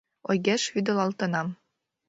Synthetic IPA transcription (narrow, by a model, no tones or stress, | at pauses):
ojɡæʃhyd̪ɘ̆lˠɑlˠt̪ɤ̆nɑm